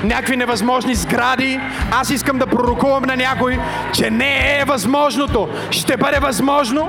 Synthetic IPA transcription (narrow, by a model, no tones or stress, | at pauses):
nʲakvinɛvɐzmɔʒnizɡɾad̪i | asiskəmd̪ɐpɾoɾokuvɐmnɐnʲakoj | t͡ʃɛnɛːvɐzmɔʒnot̪o | ʃt̪ɛbəd̪ɛvɐzmɔʒno